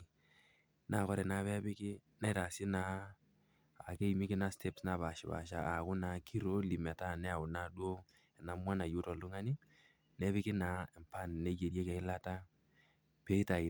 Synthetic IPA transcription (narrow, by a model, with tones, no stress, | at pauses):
na˨kɔ˦ɾɛ˨na˨˦pɛ˦pɪ˦kɪ˦ | na˨˦ɪ˦ta˨sɪ˦na˨˦˨ | ke˦˨mi˦kɪ˦na˦stʰe˦psna˨ba˨ʃɪ˨ba̰˨ʃa̰˨ʔːkʊ˦na˨kʰi˦ɾo˦li˨mɛ˨ta˦˨nɛ˦a˨ʊ˨na˨dwo˦ | ɛ˨na˨mwa˦na˨ju˦tɔ˨lʊ˦ŋa˦ni˦ | nɛ˦bɪ˦kɪ˦na˨˦ɛ˨mpa˦˨n˨ne˦je˨dje˦kɛ˨ɪ˦la˦ta˦ | pe˦i˦ta˨ɪ˨